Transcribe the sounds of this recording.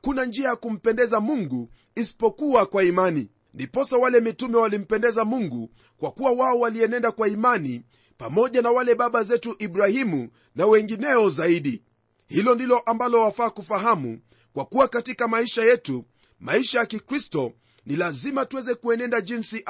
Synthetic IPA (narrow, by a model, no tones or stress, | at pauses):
akunand͡ʒiajakum̩pɛndɛzamuŋɡu | isi̥pɔkuwakwaimani | ndipɔsawalɛmitumɛwalim̩pɛndɛzamuŋɡu | kwakuwawaɔwaliɛnɛndakwaimani | pamɔʄanawalɛɓaɓazɛtuʔiɓɾahimu | nawɛŋɡinɛɔzaiɗi | hilɔndilɔʔambalɔwafaːkufaɦamṵ | kwakuwakatikamaiʃajɛtu | maiʃajakikɾistɔ | nilazimatuwɛzɛkuɛnɛndaʄinsiʔ